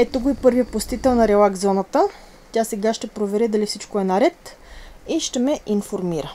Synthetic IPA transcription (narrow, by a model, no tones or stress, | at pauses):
ɛt̪oɡoipɤɾviəposʲt̪it̪ɛlˠnɐɾɛlˠaɡzɔnət̪ə | t̪ʲjasɛɡaʃt̪ɛpɾovɛɾɛd̪ɐlifsit͡ʃkoɛnɐɾɛt̪ | iʃt̪ɛmɛʔinfoɾmiɾə